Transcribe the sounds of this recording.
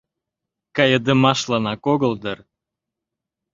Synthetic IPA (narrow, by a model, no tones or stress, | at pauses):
kɑjəd̪əmɑʃlɑnɑkoɣəld̪ər